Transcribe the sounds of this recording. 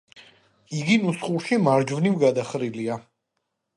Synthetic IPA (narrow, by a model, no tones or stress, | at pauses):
iɡinusχuɾʃimaɾd͡ʒvnimɡad̪aχɾilia